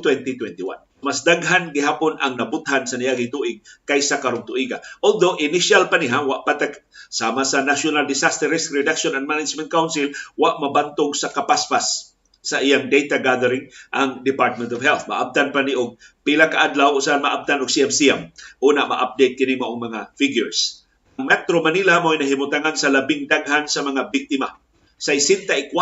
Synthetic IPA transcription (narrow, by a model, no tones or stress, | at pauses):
t̪wɛnt̪it̪wɛnt̪iwa̰n | masd̪aɡɦanɡɪɦaːpʊnʔaŋnɐbʊt̪̚hansanɪjaɡɪŋt̪uʔɪɡ̚kajsakaɾʊnt̪ʊʔiɡaʔold̪owʔɪnɪʃalpanɪɦawaʔpat̪aksaːmasanaʃʊnald̪ɪsast̪ɛɾɛsɾɪd̪akʃonanmanɪd͡ʒmɛnt̪̚kawnsɪlwaʔmabant̪ʊɡsakapaspasː | ɐʔɪjaŋd̪ejt̪aɡaðɛɾɪŋʔaŋd̪ɪpaɹt̪̚mɛnt̪ɔvɦɛlθma̰ʔa̰b̚t̪anpanɪʔʊɡ̚ | pilakaʔad̪lawʊsaanmaʔab̚t̪anʊɡ̥̚siɛmsiɛmʔuːnamɐ̰ʔa̰p̚d̪ejt̪̚kɪnɪŋmɐʔʊŋmɐŋafɪɡjʊɹs | ŋmɛt̪ɾomanilamojnɐɦɪmʊt̪aŋansɐlɐbɪŋd̪aɡhansɐmɐŋabɪk̚t̪ɪma | sajsɛnt̪aʔɪka